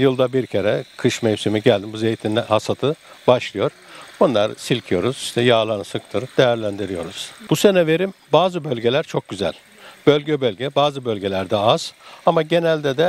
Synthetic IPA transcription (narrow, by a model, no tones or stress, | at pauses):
jɯlˠd̪abiɾcʰeɾɛkʰɯʃmejsimiɟælʲd̪imbuze̞jit̪ʰinːɛhasat̪ʰɯ | baʃlˠɯjo̞ɾ̥ | bunlˠaɾsilʲcʰijo̞ɾuz̥iʃt̪ʰɛjaːlˠanɯsɯkt̪ʰɯɾd̪̥e̞jæɾlʲænd̪iɾijo̞̰ɾuz̥buse̞nɛve̞ɾimbaːzɯbølʲɟe̞lʲæɾt͡ʃʰo̞k̚ɟyzæ̰lʲ | b̥ø̞lʲɟɛbølʲɟɛbaːzɯbølʲɟe̞lʲæɾd̪ɛaz̥amaɟe̞nælʲd̪ɛd̪ɛ